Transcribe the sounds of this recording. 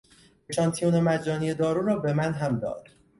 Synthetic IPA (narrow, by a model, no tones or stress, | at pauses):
beʃɒːnt̪ʰijunemæd͡ʒɒːnije̞d̪ɒːɾuːɾɒːbe̞mænɦæmd̪ɒ̰ːd̪̥